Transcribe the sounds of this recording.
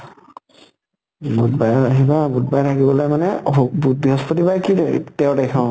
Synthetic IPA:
but̚bajaɦibabut̚bajtʰakibɔlɔjmanɛbubiɦɔspɔtibajkitɛʊtakʰɔ̃

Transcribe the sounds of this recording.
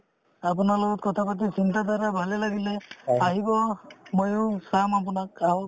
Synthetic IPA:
ap̬unalɔkɔt̪̚kɔt̪ʰapat̪̬isintad̪ʱaɾabʱalelaɡileaɦibɔmojusamap̬unakaw

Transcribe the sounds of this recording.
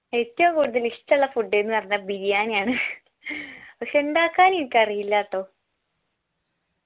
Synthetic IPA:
etːɐmɐkuːɽuðɐliʂtːɐɐɭːɐfuɖːenːɨʋɐrɐɲːɐbiɾijaːnjaːɳɨ | pɐkʂe̞uɳɖaːkːaːnenikʲːɐrijilːaːt̪ːo̞ː

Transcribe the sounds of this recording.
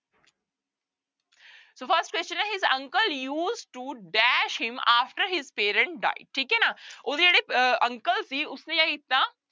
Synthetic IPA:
soːfəɾsʈkwɛst͡ʃə̃nɛɦɪzɐ̰̃ŋkəljuːzʈuɖæʃhɪ̃maːfʈəɾɦɪzpeːɾə̃ɳʈ̚ɖa̰ːɪɖ̚ʈʰiːkɛnaoːd̪id͡ʒəɽeɐ̃ŋkəlsiʊsnẽjaːkɪt̪nã

